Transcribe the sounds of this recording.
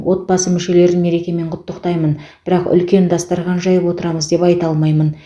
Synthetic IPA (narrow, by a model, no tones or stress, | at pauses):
wʔo̞t̪̚bɑsəmʏʃe̞le̞ɾɪnme̞ɾe̞kʲe̞me̞ɴqʰʊt̪ːəqt̪ɑjmənb̥ɪɾɑqʏ̰lkʲe̞nd̪ɑst̪ɑɾʁɑnʒɑjəpwo̞t̪əɾɑməzd̪e̞pɑjt̪ɑlˠmɑjmən